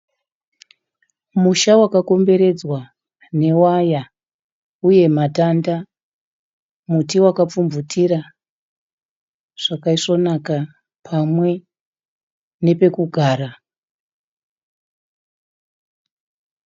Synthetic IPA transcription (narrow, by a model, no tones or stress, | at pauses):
muʃawakako̞mbe̞ɾe̞d͡zwa | ne̞waja | uje̞matanda | mutiwakap͡fumvutʰiɾa | ʐ̥akaiʂo̞naka | pʰamwe̞ | ne̞pe̞kuɡʱaːɾa